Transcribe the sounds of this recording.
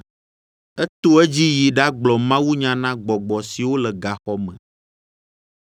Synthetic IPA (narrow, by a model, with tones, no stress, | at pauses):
ɛ˦t̪o˦ɛ˦d͡ʑi˦ji˨ɖa˦ɡ͡blɔ˨mã˦wu˦ɲã˨nã˦ɡ͡bɔ˨ɡ͡bɔ˨si˨wo˦lɛ˨ɡa˨xɔ˦mɛ̰̃˨